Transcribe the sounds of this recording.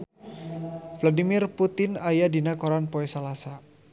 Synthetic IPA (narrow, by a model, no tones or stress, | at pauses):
fladimɪrput̪ɪnajadinakɔɾanpɔɛsalasa